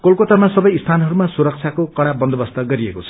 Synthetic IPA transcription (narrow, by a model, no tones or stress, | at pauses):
kolkot̪amasʌbʌjst̪ʰanɦʌɾumasuɾʌk̚t͡sʰakokʌɽ̃abʌnd̪ʱʌbʌst̪ʌɡʌɾiekot͡sʰʌ